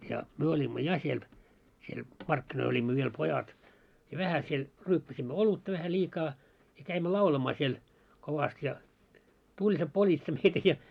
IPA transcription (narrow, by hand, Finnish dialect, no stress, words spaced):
jɑ myø olʲimːo jɑ siel siel mɑrkːinoil olʲimːo ʋiel pojɑt jɑ ʋæhæ siel ryːpːæsimːø olutːɑ ʋæhæ lʲiːkɑː jɑ kæimːø lɑulɑmɑː siel koʋɑst jɑ tulʲ se politsɑ meitæ jɑ